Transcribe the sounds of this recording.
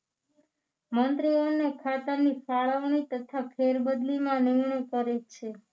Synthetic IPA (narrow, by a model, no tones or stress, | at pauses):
mənt̪ɾionekʰat̪ənifaɭəʋɳ̃it̪ət̪ʰapʰeɾbəd̪limãniɦɳəjkəɾet͡ʃʰe